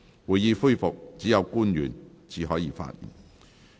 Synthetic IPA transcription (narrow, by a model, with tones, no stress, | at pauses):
wu˨˩jjiː˨˧fu˥˧jfʊ˨k̚t͡siː˨˥jɐ˨˧wkuː˥njy̰ː˨˩n | t͡siː˨˩ɦɔː˨˥jiː˨˧˥fa̰ː˧t̚jḭ˨˩n